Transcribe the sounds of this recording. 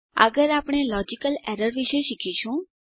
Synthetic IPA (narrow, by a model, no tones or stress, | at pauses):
ə̰ɡəɾaːpɽ̃elɔd͡ʒikəlɛɾəɾʋiʃeʃikʰiʃũ